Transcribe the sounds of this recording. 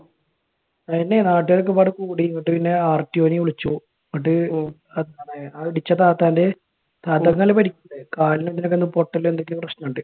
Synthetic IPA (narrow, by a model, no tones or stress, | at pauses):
ɐðinːenaːʈːɨɐɾok̬ːɨpaːɽɨkuːɽiŋːɐʈːɨpinːe̞aːrʈːioːniʋuɭit͡ɕːu | ŋːɐʈ̬ːɨ | ɐðaːɳeaːiɽit͡ɕːɐt̪aːt̪ːaːnde | t̪aːt̪ːɐŋːɐlpɐʈikʲːunɐðɨkaːlinot̪ːinok̬ːenːɨpo̞ʈːɐlːend̪okːɨprɐɕnɐːɳɖɨ